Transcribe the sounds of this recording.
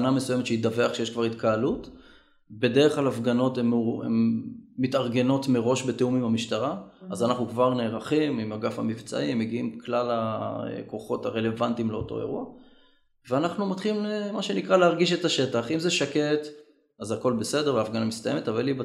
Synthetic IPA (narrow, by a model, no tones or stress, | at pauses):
namesujemetʃeidaveaχʃejeʃkvaʁit̪kaalut | be̞deʁeχlalafɡano̞temḛmːitaʁɡe̞no̞tmeʁo̞ʃbe̞teumimamiʃtaʁaazanaχnukvaʁneːʁaχimimaɡafa̰mivt͡sa̰ʔimːeɡiimklalaḛko̞χo̞taʁe̞le̞vantimleo̞̰to̞̰ḛʁua | veanaχnumatχilimlemaʃe̞nikʁaleaʁɡiʃ̬e̞taʃe̞taχimzeʃake̞t | azako̞lbese̞deʁeaːfɡanamist̪ajemetavaliba